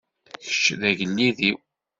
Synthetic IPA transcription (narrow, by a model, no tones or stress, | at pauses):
çə̥t͡ʃːðæʝəlːiðiw